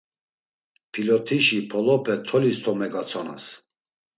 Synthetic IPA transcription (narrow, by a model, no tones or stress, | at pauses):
pʰilɔt̪ʰiʃipʰɔlɔpʰɛt̪ʰɔlist̪ʰɔmɛɡat͡sʰɔna̰s